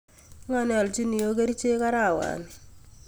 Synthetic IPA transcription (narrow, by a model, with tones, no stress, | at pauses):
ŋa˦˨n˦a˨lt͡ʃi˦ni˨o˦k̬e˦ɾi˦t͡ʃe˦ka˦ɾa˦˨wa̰˨n